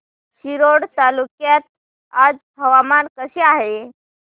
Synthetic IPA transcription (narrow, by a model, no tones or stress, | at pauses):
ɕiɾoɽt̪alukjat̪̚ | ad͡zbʱəʋamankəsiaɦe